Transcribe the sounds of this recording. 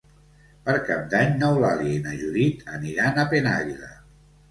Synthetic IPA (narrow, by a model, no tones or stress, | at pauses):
pəɾkap̚d̪aɲnɔwlaliinaʒuðit̪ʰəniɾanapena̰ɣilə̰